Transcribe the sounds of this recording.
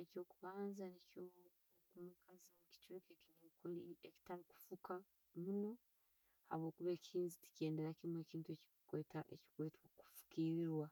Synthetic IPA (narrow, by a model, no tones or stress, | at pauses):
eco̞ːkuβaːnzanico | kumukʰazimuci̥t͡ʃekekiɲikulieci̥taɾiku̥fuka | muno̞ | ha̰βo̞ːkuβeːcʰiːnziti̥ce̞ːnde̞ɾacimwe̞ːciːntueci̥kweːtaʔḛci̥kweːtku̥fu̥kiːɾiɾwa